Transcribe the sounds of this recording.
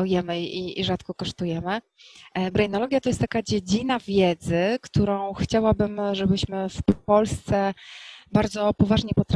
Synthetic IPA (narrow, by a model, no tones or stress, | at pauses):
ɔjɛmɘiḭʐat̪kɔkɔʂt̪ujɛmɘ | bɾɛjnɔlɔɡʲjat̪ɔjɛst̪ːakad͡ʑed͡ʑinavʲjɛd̪zɘkt̪uɾɔ̃w̃xt͡ɕawabɘmʐɛbɘɕmɘfppɔlst̪sɛbaɾd̪zɔpɔvaʐɲɛpɔt̪ɾ